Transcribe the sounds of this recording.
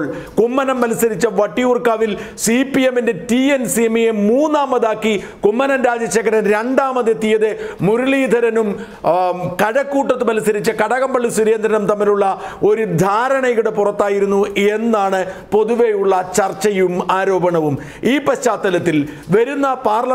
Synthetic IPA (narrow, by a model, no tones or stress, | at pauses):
ɭ | kumːɐnɐmpɐlisɐɾit͡ɕːɐʋɐʈːijuːrkaːʋil | sipːijeminde̞tiensiemːijemuːnːaːmɐðaːkːi | kumːɐnɐnɾaːd͡ʑɐt͡ɕːɐkːɐɾɐnɾe̞ɳɖaːmɐðet̪ːijɐðɨmuɾuɭiːd̪ʱɐɾɐnum | kɐɽɐkːuːʈːɐt̪ːɨpɐlisɐɾit͡ɕːɐkɐɽɐɣɐmbɐɭːisuɾeːnd̪ʱɾɐnɐmt̪ɐmːiluɭːɐ | o̞ɾud̪ʱaːɾɐɳɐjɣuɽepurɐt̪ːaːjiɾunːuʔe̞nːaːɳɨpo̞ðuʋejuɭːɐt͡ɕɐrt͡ɕːɐjumaːɾo̞ːbɐɳɐʋum | iːpɐɕt͡ɕaːt̪ːɐlɐt̪ːil | ʋɐɾunːɐpaːrlɐ